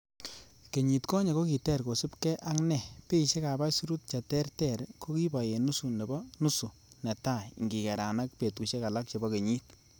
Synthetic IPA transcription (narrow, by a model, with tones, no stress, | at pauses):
ke˨ɲi˨tkɔ˦ɲe˨ko˦ki˨tɛ˦˨ɾko˨su˦pkɛ˦ʔa˦ŋnɛ˨pe˦i˨ʃe˦ka˨ba˦su˦ɾu˦t̚t͡ʃa˨tɛ˦rtɛ˦˨ɾko˦ki˦ba˨je˨nu˦su˨ne˨bɔ˦nu˦su˨ | nɛ˨ta˦˨ŋɡi˨kɛ˨ɾa˨na˦k̚pe˨tku˨ʃe˦ka˨la˦k̚t͡ʃe˨bɔ˦ke˨ɲi˦t